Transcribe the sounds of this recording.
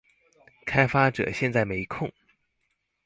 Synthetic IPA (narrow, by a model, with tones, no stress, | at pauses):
kʰa˥ɪfa˥ʈ͡ʂɤ̰˨˩ɕjɛ˥˧nt͡sa˥˩ɪme˧˥ɪ˧kʰʊ˥˩ŋ